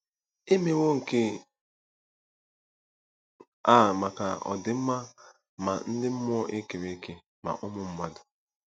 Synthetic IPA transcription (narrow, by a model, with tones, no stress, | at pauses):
e˦me˦wo˦ŋ̩˨ke˦ | a˦˨ma˨ka˨ɔ̰˨dɪ˨m̩˦ma˦ | ma̰˨n̩˦dɪ˦m̩˦m˦ɔ˦ʔe˦ke˨ɾe˦ke˦ | ma̰˨ʔʊ˦mʊ˦m̩˦ma˦dʊ˨